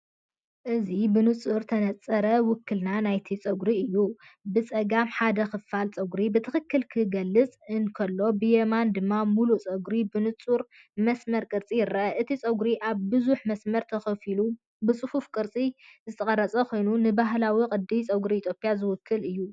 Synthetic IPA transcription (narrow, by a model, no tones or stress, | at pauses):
ʔɨzibɨnɨt͡sʼuɾt̪ʰɐnɐt͡sʼɐɾɐwʊkːɨlnanajt̪ʰit͡sʼɐɡɾiɨjːubɨt͡sʼɐɡamħad̪ɐxɨfalt͡sʼɐɡɾibɨt̪ʰɨxɨkːɨlkʰɨɡɐlːɨt͡sʼɨnkʰɐlːo̞bɨjemand̪ɨmːamulut͡sʼɐɡɾibɨnɨt͡sʼuɾ | mɐsmɐɾkʼɨɾt͡sʼijɪrɐʔɐʔɨt̪ʰit͡sʼɐɡɾiʔaβbɨzuħmɐsmɐɾt̪ʰɐxɐfilu | bɨt͡sʼɨhufkʼɨɾt͡sʼizɨt̪ʰɐχʼɐrɐt͡sʼɐkʰo̞jnunɨbaɦlawikʼɨd̪ːijt͡sʼɐɡɾiːt̪ʰjo̞pʼijazɨwʊkʰːɨlɨjːu